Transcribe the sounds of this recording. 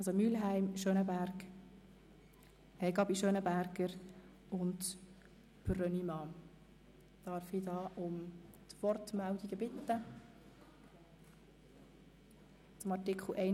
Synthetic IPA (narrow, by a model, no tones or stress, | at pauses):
ɑlsomyːlɦæɪmʃøːnəbæɾɡ | ɛɡɑbiʃøːnəbæɾɡəɾ | ʊnt | prœnimɑː | d̥ɑɾfidɑːʔʊmt̪ʋɔɾtmældiɡəbɪt̪ːə | t͡sʊmɑrtɪkʰχl̩ʔɛɪ